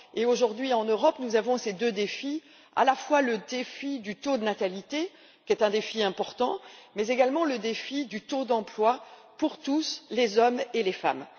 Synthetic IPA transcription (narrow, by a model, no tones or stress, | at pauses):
eoʒuʁd̪ɥiɑ̃nøʁɔpnuzavɔ̃sed̪ød̪efi | a̰lafwaləd̪efid̪yt̪od̪ənat̪alit̪e | kʲɛt̪ɛ̃d̪efiɛ̃pɔʁt̪ɑ̃mɛzeɡalmɑ̃ləd̪efid̪yt̪od̪ɑ̃plwa | puʁt̪uslezɔmelefa̰m